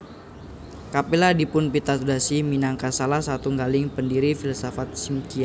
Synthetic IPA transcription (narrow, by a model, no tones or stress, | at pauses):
kapiladipʊnpit̪at̪udasiminaŋkasalasat̪uŋɡalɪŋpəndiɾifilsofat̪̚simkia